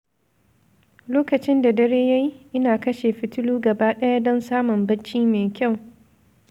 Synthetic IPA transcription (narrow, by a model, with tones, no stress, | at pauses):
loː˦kɐ˨t͡ʃɪ˦nda˨dɐ˦ɾeː˦ja˦ji˦ʔɪ˦naː˨kɐ˦ʃeː˨ɸɪ˦tʊ˦luː˦ɡɐ˨baː˦ɗɐ˦ja˦dɔ˦nsaː˦mʊ˨mbɐ˦t͡ʃːiː˦meː˨kʲa˦˨w